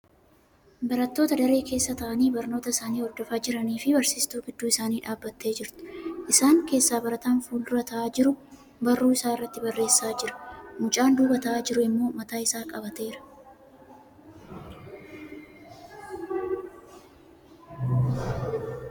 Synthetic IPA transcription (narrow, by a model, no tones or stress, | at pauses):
bɐɾɐt̪ːo̞ːt̪ɐd̪ɐɾe̞ːke̞ːsːɐt̪ɐʔɐniːbɐɾno̞ːt̪ɐɪsaːniːɔɾd̪ɔfaːd͡ʒɪɾɐniːfɪbɐɾsiːst̪uːɡɪd̪ːuːɪsaːniːᶑaːbːɐt̪ːe̞ːd͡ʒɪɾt̪ɪ̥ʔɪsaːŋke̞ːsːaːbɐɾɐt̪aːnfuːld̪ʊɾɐt̪ʰɐʔaːd͡ʒɪɾʊ | bɐrːuːɪsaːɪrːɐt̪ːɪbɐrːe̞ːsːaːd͡ʒɪɾɐ̥mʊt͡ʃʼaːnd̪uːbɐt̪ɐʔaːd͡ʒɪɾʊɪmːo̞ːmɐt̪aːɪsaːkʼɐbɐt̪e̞ːɾɐ̥